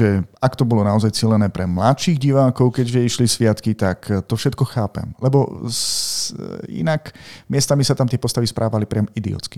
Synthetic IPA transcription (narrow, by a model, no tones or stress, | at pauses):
ɛakt̪ɔbɔlɔnaɔzajt͡silɛnɛːpɾɛmlat̪ʃiːɣɟiʋaːkɔʊkɛɟʒɛiʃlisʋɪat̪kit̪akt̪ɔfʃɛt̪kɔxaːpɛ̰mlɛbɔ | ḭnakmɪɛst̪amisat̪amt̪ɪɛpɔst̪aʋispɾʔaːʋalipɾɪamid̪ḭɔ̰t͡ski̥